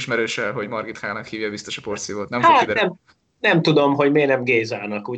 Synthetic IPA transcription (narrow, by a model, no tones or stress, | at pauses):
ʃmɛɾøːʃɛlɦo̞ɟmɒrɡit̪kaːnɒkhiːvjɒbist̪o̞ʃɒport̪sioːt̪nɛmolːid̪ɛɛm | nɛmt̪ud̪o̞mɦo̞ɟmeːnɛmɡeːzaːnɒkuː